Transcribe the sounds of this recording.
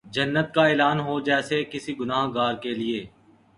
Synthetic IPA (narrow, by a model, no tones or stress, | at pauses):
d͡ʒənːət̪̚kaeːlaːnɦod͡ʒɛːsekɪsiɡʊnaːɦɡaːɾkelɪeː